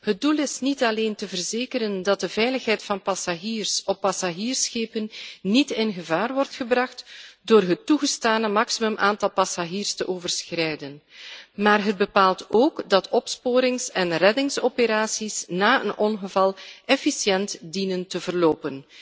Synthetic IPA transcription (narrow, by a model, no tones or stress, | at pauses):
hət̚dulɪsnitɑleːntəvərzeːkəɾəndɑt̚dəvɛjləxɦɛjtfɑnpɑsaʒiːrsɔpːɑsaʒiːrsxeːpənːitɪnɣəvaːrʋɔrtxəbrɑxtdoːrɦətːuɣəstaːnəmɑksimɵmʔaːntɑlˠpɑsaɣiːrstəʔoːvərsxrɛjdənmaːrɦəd̚bəpaːlˠtoːkdɑtʰɔpspoːɾɪŋsɛnrɛdɪŋsopəɾaːsisnaːə̰nʔɔnɣəvɑlˠʔɛfisjɛntdinəntəvərloːpən